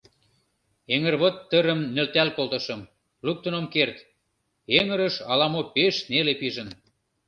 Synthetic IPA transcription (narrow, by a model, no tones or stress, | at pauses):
eŋərβot̪ːəɾə̆mnølt̪ælkolˠt̪ə̆ʃə̆m | luk̚t̪ənomkert̪ | eŋə̆ɾəʃɑlɑmopeʃnelepiʒən